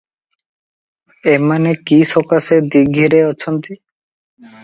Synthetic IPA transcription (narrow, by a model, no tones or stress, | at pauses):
emanekiʃokased̪iɡʱiɾeɔt͡ɕʰont̪i